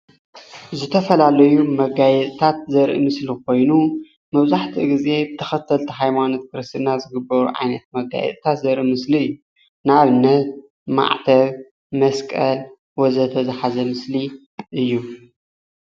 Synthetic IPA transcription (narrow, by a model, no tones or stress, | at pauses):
zɨt̪ʰɐfɐlalɐjumɐɡajɛt̪ʼt̪ʰat̪̚zɐɾʔḭmɨslik̚ʰo̞jnu | mɐβzaħt̪ʰiɡize̞bɨt̪ʰɐ̥xɐt̪ʰɐlt̪ʰiɦajmano̞t̪̚kʰɨɾɨst̪ʰɨnazɨɡɨbɐɾuʕa̰jnɐt̪̚mɐɡa̰jɛ̰t̪ʼt̪ʰat̪zɐɾʔimɨsliɨjːu | naβɨnːɐt̪̚ | ma̰ʕt̪ʰɐβ | mɐskʼɐl | wɔzɐt̪ʰɐzaħazɐmɨsli | ʔɨjːu